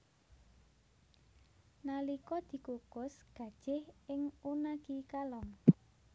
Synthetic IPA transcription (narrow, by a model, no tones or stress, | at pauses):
nalikɔd̪̥i̤kukʊsɡ̥ä̤d̥ʒ̥ɪhɪŋunakikalɔŋ